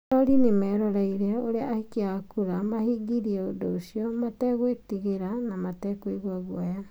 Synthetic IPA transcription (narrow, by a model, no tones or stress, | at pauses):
ɔɾinemɛːɾɔɾaiɾɛoɾeahikeakuɾamahiɡiɾiɛodoːsiɔmatɛɣwetiɣeɾanamatɛkwiɣwaɣwaja